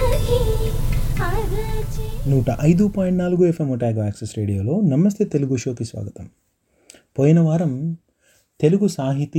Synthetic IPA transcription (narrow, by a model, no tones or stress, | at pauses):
t͡ʃnuːʈɐʔɐjd̪upoːjɳʈnaːluɡuepʰemɔʈaːɡɐʋaːksesɾe̞ːɽijoːlo̞ːnɐmɐs̬t̪ʰet̪eluɡuʂoːkisʋa̰ːɡɐt̪ɐm | poːjinɐʋaːɾɐm | t̪e̞luɡusaːɦit̪i